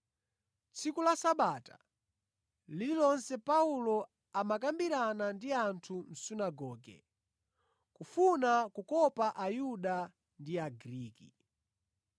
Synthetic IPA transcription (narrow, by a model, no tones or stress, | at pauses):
t͡sʰikulasaɓatḁ̰ | lililɔnsɛpaulɔ | amakambiɾanandiantʰum̩sunaɡɔːɡɛ̰ | kufunakukɔpaʔajuɗa | ndiaɡɾiːki